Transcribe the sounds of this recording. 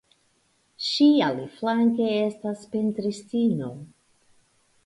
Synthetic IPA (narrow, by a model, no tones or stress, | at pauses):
ʃialiflaŋke̞e̞staspe̞ntɾistino̞